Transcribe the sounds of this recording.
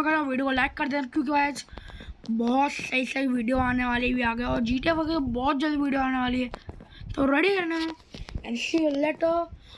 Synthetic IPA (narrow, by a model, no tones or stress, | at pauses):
kəɾaʋiːɖijokolɛːkːɐɾd̪eːakjõːkiaːd͡ʒ | bɔːt̪sɐisɐiʋiːɖijoaːneʋaːlebʱiaːɡɐeɔːɾd͡ʒiːʈeʋɐkbɔːt̪̚d͡ʒad̪iʋiːɖijoaːneʋaːliɦɛːt̪oɾɐɽikɐɾnẽ | ɛsilɛʈo